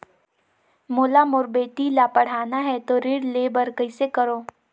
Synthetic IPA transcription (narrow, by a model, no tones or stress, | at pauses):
moːlamʊɾbeːʈ̪ilaːpəɽ̤aːnaɦɛt̪oɾɪɽlebəɾkəisekɐɾoː